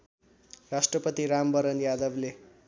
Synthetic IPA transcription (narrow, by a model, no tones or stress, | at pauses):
rasʈrʌpʌt̪iɾambʌɾʌnjad̪ʌble